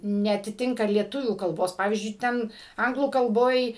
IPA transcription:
nʲɛɐtʲɪˈtʲɪŋkɐ lʲiɛˈtʊʋʲuː kɐlˠˈboːs ˈpɑːʋʲiːzʲd͡ʒʲʊɪ ˈtʲɛn ˈɐŋɡlˠuː kɐlˠˈboːj

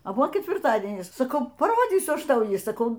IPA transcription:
ɐ ˈbʊʋoː kʲɛtʲʋʲɪrˈtɑːdʲiɛnʲɪs sɐˈkɐʊ pɐˈroːd͡zʲiːsʲʊ ˈɐʃ ˈtɐʊ ˈjiː sɐˈkɐʊ

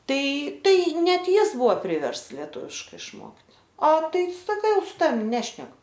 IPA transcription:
ˈtɐɪ ˈtɐɪ nʲɛt ˈjɪs ˈbʊʋoː ˈpʲrʲɪʋʲɛrsts lʲɛˈtʊʋʲɪʃkɐɪ ɪʃˈmoːkt ɐ ˈtɐɪ ˈsɑːkɐ sʊ ˈtɑːʋʲɪm ˈnʲæːʃʲnʲɛk

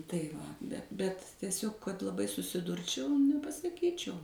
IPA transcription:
tɐɪ ˈʋɐ bʲɛt tʲiɛˈsʲoːk kɐt lˠɐˈbɐɪ sʊsʲɪˈdʊrʲt͡ʃʲɛʊ nʲɛpɐsɐˈkʲiːt͡ʃʲɛʊ

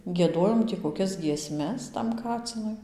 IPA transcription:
ɡʲiɛˈdoːjoːm tʲiː koːˈkʲɛs ɡʲiɛˈsʲmʲɛs tɐm ˈkɑːt͡sʲɪnʊɪ

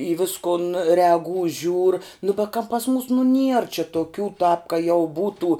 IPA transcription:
iː ˈʋʲɪskʊn rʲɛɐˈɡuː ʒʲuːr nʊ bʲɛ kɐ pɐs muːs nʊ nʲiɛr t͡ʃʲɛ toːˈkʲuː tɑːp kɐ jɛʊ ˈbuːtuː

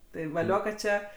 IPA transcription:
ˈtɐɪ ʋɐˈlʲoː kɐt ˈt͡ʃʲɛ

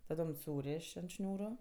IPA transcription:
tɐˈdoːm ˈsuːrʲeːʃ ɐnt ˈʃʲnʲuːrʊ

